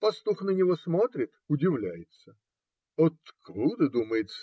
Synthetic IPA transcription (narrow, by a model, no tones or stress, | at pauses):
pɐst̪uxnənʲɪvosmo̞t̪ɾʲɪt̪ʊdʲɪvlʲæjɪt̪sə | ot̪kɾud̪əd̪uməjɪt̪s